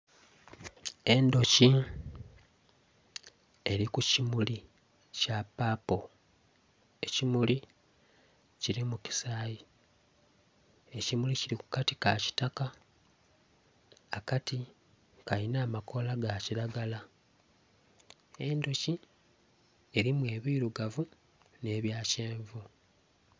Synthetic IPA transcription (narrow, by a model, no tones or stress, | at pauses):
e̞ndo̞ci | e̞ɾikucimuli | capːaːpo | e̞cimuli | ciɾimuci̥saːji | e̞cimuliciɾiku̥kati̥kaci̥taka | kati | kainaːmako̞laɡaciɾaɡala | e̞ndo̞ci | e̞ɾimwe̞ːβiːɾuɡavu | ne̞ːβjaːce̞ːɱvu